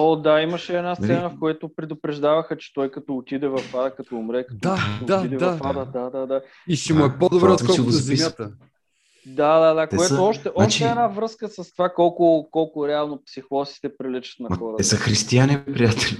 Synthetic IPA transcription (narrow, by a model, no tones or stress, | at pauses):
od̪aimɐʃɛɛd̪nasɛnafkojat̪ʊpɾɛd̪ʊpɾɛʒd̪avɐxət͡ʃɛ̥t̪ɔjkɐt̪ɔːt̪id̪ɛvɐfad̪əkɐt̪ɔʊmɾɛkɐ̥d̪ɔaaid̪ɛvɐafad̪əd̪ad̪ad̪a | isimʊɛpod̪obɾɛot̪kɔiɡozɛimʲjat̪ə | d̪ad̪ad̪ak̪ɛoɛoɔʃt̪ɛʔɔaʃt͡ʃiɛɛnavɾɤskəsɐst̪ovakɔlˠkʊkɔlˠkʊɾɛalˠnopsixɔsi̥t̪ɛpɾilɛt͡ʃə̥t̪nɐɐxɔɾət̪ɛzɐxɾist̪ianʲɛpɾijat̪ɛlʲ